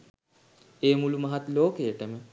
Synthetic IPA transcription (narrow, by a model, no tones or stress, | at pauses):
eːmulumɐɦat̪loːkejəʈəmə